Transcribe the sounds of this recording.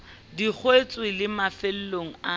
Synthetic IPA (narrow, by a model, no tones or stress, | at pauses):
dik͡xʰwet͡sʼwɪlɪmafel̩loŋ̩a